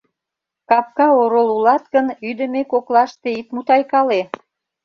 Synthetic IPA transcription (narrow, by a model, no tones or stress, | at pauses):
kɑp̚kɑoɾolulɑt̪kənyd̪ə̆mekoklɑʃt̪eit̪mut̪ɑjkɑle